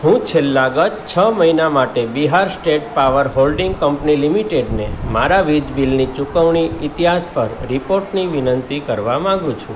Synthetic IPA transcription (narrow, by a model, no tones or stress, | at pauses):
ɦũt͡ʃʰelːaɡətt͡ʃʰəməɦinamaʈebiɦaɾsʈeʈpaʋəɾɦolɖĩŋɡkəmpnilimiʈeɖnemaɾaʋid͡ʒbilnit͡ʃukəʋɳ̃iɪt̪iɦaspəɾɾipoɾʈniʋinənt̪ikəɾʋamãŋɡũt͡ʃʰṵ̃